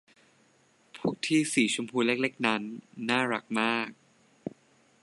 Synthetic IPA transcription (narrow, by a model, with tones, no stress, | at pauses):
pʰuː˥˩k̚t̪ʰiː˥˩siː˨˩˦t͡ɕʰu˧mpʰuː˧le˦˥˩k̚le˦˥k̚na˦˥nːaː˥˩ɾa˨˩k̚maː˥˩k̚